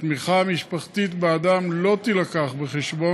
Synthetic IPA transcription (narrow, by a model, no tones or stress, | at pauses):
t̪miχamiʃpaχt̪it̪bead̪amlo̞t̪ilakaχbeχeʃbo̞